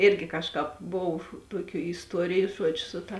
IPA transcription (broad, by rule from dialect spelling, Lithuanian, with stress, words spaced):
ˈɪrʲɡʲɪ ˈkɑːʃˌkɑːp ˈboːw ˈtuɔˌkʲuː ɪsˈtuɔrʲɪjʊ ˈʒuɔd͡ʒʲʊ ˈsʊ tɐ